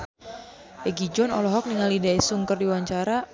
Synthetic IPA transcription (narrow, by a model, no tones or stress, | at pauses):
ɛɡid͡ʒɔnɔ̰lɔɦɔk̚niŋalidaisuŋkərdiwaɲt͡ʃaɾa